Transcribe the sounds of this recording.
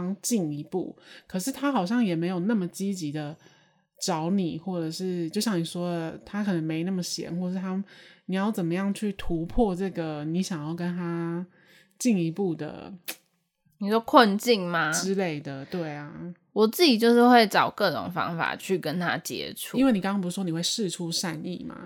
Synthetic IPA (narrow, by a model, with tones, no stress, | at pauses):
ŋt͡ɕi˥˩ŋi˧˥pṵ˥˩kʰɤ˨˩ʂɻ̩˥˩t̪ʰa˥xɑ˨˩ʊɕjɑ˥˩ŋjɛ˨˩me˧˥ɪjo˨˩ʊna˥˩mə˩t͡ɕi˥t͡ɕi˧˥d̪ə˧ | ʈ͡ʂɑ˧˥ʊni˨˩xwɔ˥˩ʈ͡ʂɤ˨˩ʂɻ̩˥˩t͡ɕjo˥˧ʊɕjɑ˥˩ŋni˨˩ʂwɔ˥t̪ʰa˥kʰə˨˩nə˧˦ŋme˧˥ɪ˧na˥˩mə˩ɕjɛ̰˧˥nxwɔ˥˩˨ʂɻ̩˥˩t̪ʰa˥ni˨˩jɑ˥˩ʊt͡sə˨˩nmə˩˦jɑ˥˧ŋt͡ɕʰy˥˩t̪ʰu˧˥pʰwɔ˥˧ʈ͡ʂɤ˥˩ɡə˩ni˧˥ɕjɑ˨˩ŋjɑ˥˩ʊkə˥nt̪ʰa˥ | t͡ɕi˥˧ŋi˧˥pu˥˩d̪ə̰˩ | ni˨˩ʂɔ˥kʰwə˥˧nt͡ɕi˥˩ŋma˩ʈ͡ʂɻ̩˥le˥˩ɪd̪ə˩t̪we˥˩ɪɐ˨˩ | wɔ˨˩t͡sɹ̩˥˩t͡ɕi˨˩t͡ɕjo˥˧ʊʂɻ̩˥˧xwe˥˩ɪʈ͡ʂɑ˨˩ʊkɤ˥˩ʈ͡ʂʊ̰˨˩ŋfɑ̰˥ŋfa̰˨˩t͡ɕʰy˥˩kə˦nt̪ʰa̰˥t͡ɕjɛ̰˥ʈ͡ʂʰu˧i˥nwe˥˩ɪni˨kɑ˥ŋɑ̃˥p̬u˧˩˥wo˥ni˨˩xwe˥˧ɪʂɻ̩˥˧ʈ͡ʂʰu˥ʂa˥˧nḭ˥˩ma̰˩